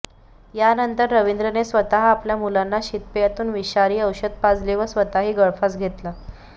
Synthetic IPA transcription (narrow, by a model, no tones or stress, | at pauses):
janənt̪əɾːəʋind̪ɾənesʋət̪aɦapljamulanːaɕit̪̚pjat̪uːnʋiɕaɾiːəwɕəd̪̚pad͡zliʋəsʋət̪aɦiːɡəɭfasɡʱet̪la